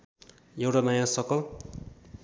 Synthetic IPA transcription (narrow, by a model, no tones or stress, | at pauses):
jewʈamajãsʌkʌl